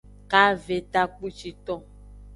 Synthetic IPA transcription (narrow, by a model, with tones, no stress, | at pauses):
ka˦ve˨t̪a˦k͡pu˦t͡ʃi˨t̪ɔ̃˦